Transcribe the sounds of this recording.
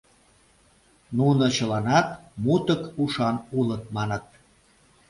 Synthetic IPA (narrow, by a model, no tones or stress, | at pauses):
nunot͡ɕəlɑnɑt̪mut̪əkuʃɑnulət̪̚mɑnə̆t̪̚